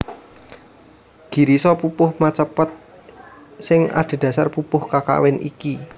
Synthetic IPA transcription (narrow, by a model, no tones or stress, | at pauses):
ɡ̥i̤ɾisɔpupʊhmat͡ʃəpət̪̚ | sɪŋa̰d̪̥e̤d̪̥ä̤sarpupʊhkaka̰wɪnḭki